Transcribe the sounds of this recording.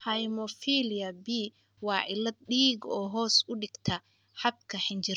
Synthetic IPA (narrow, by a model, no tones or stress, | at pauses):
hɐjmɔfiːlɪɐbi | wɑːʕɪlɐd̪̚ɗiːɡɔːɦɔːsʊɖɪɡ̥t̪ʰɐ | ħɑbkʰɐħɪnt͡ʃɪ